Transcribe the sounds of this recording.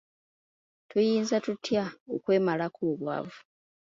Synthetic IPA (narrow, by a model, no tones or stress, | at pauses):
tujiːnzatutʰjaokwe̞ːmalakʰoːβwa̰vu